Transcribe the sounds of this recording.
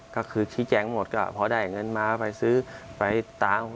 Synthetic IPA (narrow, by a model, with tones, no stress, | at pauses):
kɔː˥˩kʰɯː˧kʰiː˧˦˥t͡ɕɛː˧˩ŋmo˨˩t̪̚kɔ˧˥˩pʰɔ˧daː˥˧˩jŋɤ˧˨nmaː˧pa˨˧jsɯː˦˥pa˨˧jt̪aː˨˧m